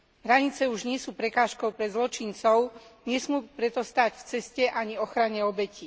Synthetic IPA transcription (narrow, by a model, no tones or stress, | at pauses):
ɦɾaɲit͡sɛuʒɲɪɛsuːpɾɛkaːʃkɔʊpɾɛzlɔt͡ʃint͡sɔʊɲɛsmuːpɾɛt̪ɔst̪aːcft͡sɛscɛʔaɲiɔxɾaɲɛɔbɛci